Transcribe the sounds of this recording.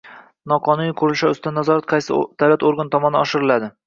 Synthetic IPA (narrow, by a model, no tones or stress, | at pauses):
nɒqʰɒnunikʰʊɾɪlʃaʊsɪd̪anazɒɾat̪̚qʰɑjsɪ̰d̪̥awlat̪oɾɡant̪ʰɒmɒna̰ɒʃɪɾɪlad̪ɪ